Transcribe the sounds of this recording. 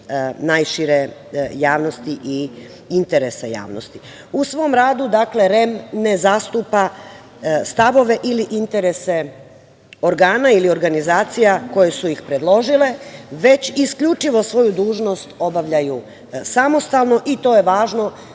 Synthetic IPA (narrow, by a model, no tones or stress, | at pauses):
najʃiɾejaːʋno̞st̪iʔi | int̪e̞ɾesaja̰ːʋno̰st̪i | usʋo̞mɾaːd̪ud̪akle̞ɾe̞mne̞zast̪uːpa | st̪aʋo̞ʋe̞ʔiliʔint̪e̞ɾe̞se̞ | o̞ɾɡaːnailio̞ɾɡanizaːt̪sijako̞je̞suixpɾe̞d̪lˠo̞ʒile̞ʋe̞t͡ɕiskʎut͡ʃiʋo̞sʋo̞jud̪uːʒno̞st̪o̞baʋʎaju | samo̞st̪alˠno̞ʔit̪o̞je̞ʋaːʒno̞